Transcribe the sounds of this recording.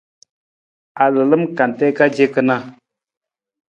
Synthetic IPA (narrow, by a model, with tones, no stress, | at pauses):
a˨lɨ˨lɨ˦mka˨nte˦ka˦d͡ʒe˦kɨ˧na˧